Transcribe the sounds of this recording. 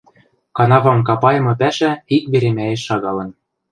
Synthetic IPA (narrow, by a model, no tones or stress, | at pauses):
kɑnɑvɑmkɑpɑjɤ̆mɤ̆pæʃæikbeɾemæjĕʃːɑɣɑlɤ̆n